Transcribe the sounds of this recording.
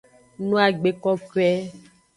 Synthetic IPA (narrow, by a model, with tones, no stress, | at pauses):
nũ˦a˨ɡ͡be˨kɔ˦kɛ˦